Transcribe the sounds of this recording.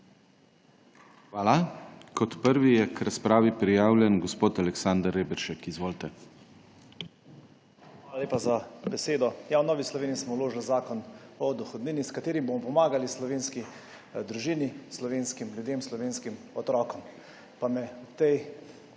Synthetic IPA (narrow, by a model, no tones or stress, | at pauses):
xʋaːlakɔt̪pəɾʋijɛkɾaspɾaːʋipɾijaːwlʲjɛnɡɔspoːt̪alɛksand̪əɾebɛɾʃɛkizʋoːlt̪ɛ | xʋalalʲeːpazabɛseːd̪ɔjawnɔːʋislɔʋeːnismɔwloːʒlzaːkɔnɔd̪ɔxɔd̪niːniskat̪eːɾimbomɔpɔmaːɡalislɔʋeːnski | d̪ɾuʒiːnislɔʋeːnskimlʲjud̪eːmslɔʋeːnskimɔt̪ɾɔːkɔm | pamɛɔt̪ɛj